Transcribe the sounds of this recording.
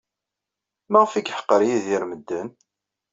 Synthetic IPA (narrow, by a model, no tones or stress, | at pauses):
mæʁfikħə̥qːəɾjiðiɾməd̪ːən